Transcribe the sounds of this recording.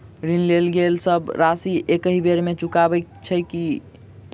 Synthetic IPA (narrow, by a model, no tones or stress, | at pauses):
ɾinlelɡelsəbɾasiʔekəɦibeɾmet͡ʃukabɛkt͡ʃʰɛki